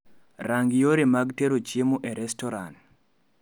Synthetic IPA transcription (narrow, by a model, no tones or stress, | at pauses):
raŋɡjoɾemaɡteɾot͡ʃemuʔɛɾɛstɔɾa̰nt